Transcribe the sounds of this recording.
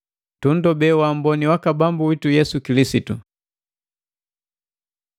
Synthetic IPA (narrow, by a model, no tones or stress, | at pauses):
tun̩dɔbɛwam̩bɔniwakabambuwitujɛsukilisitu